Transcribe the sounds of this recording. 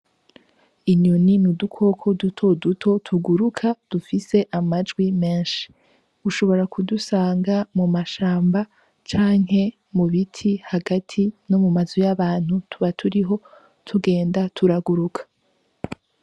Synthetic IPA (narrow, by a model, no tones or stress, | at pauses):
iɲuninudukʰo̞kʰo̞dutʰo̞dutʰo̞tʰuɡuɾukʰad̥ufise̞ʔamad͡ʒɡwime̞ːnʃi̥ | uʃo̞βo̞ɾakudusaːŋɡamumaʃaːmba | t͡ʃaːŋɦe̞ | muβitʰihaɡatʰino̞mumazojaβaːn̥hutʰuβatʰuɾiɦo̞ | tʰuɡe̞ːndatʰuɾaɡuɾukʰḁ